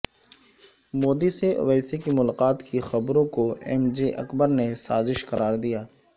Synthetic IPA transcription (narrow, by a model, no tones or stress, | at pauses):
moːd̪iseʋɛːsekimʊlaːqaːt̪kixɐbɾõkoɛ̰md͡ʒeʔɐ̰kbəɾnesaːzɪʃqɐɾaːɾd̪ijaː